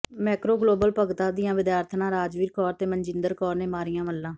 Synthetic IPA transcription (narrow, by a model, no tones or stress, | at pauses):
mɛːkɾoːɡloːbəlpəɡt̪ãːd̪ɪjãːʋɪd̪jaːɾt̪ʰnãːɾaːd͡ʒʋiːɾkɔːɾt̪eːməɲd͡ʒɪnd̪əɾkɔːɾneːmaːɾɪjãːməlːãː